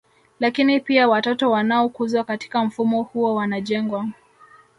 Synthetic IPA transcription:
lakinipiawatɔtɔwanaɔkuzwakati̥kam̩fumɔhuɔwanaʄɛŋɡwa

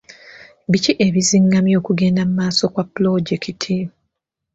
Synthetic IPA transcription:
βiciʔeβiziŋɡamjo̞ːkuɡe̞ːndammaːso̞kwapːlo̞ɟekʰitʰi

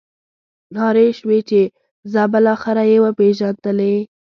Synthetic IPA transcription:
nɑɾeʃwet͡ʃe | zɑbəlɑxɪɾajewapeʒand̪əle

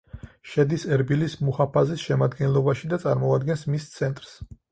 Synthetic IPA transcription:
ʃɛd̪isɛɾbilismuhapʰazisʃɛmad̪ɡɛnlˠɔbaʃid̪at̪sʼaɾmɔad̪̚ɡɛnsmist̪sʰɛnt̪ʼɾs

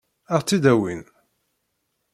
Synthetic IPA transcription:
æʁt͡sːid̪æwin

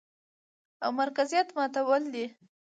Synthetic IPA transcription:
awmaɾkazijɑt̪mɑt̪awəld̪i

